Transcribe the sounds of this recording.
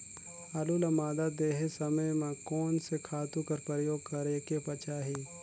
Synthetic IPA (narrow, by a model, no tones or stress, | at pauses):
ɐlulɐmaːd̪ad̪eːɦesɐməjmãkɔːnsekʰaːt̪ukɐɾpɾəjoːɡ̚kɐɾeːkepɐt͡ʃaːɦi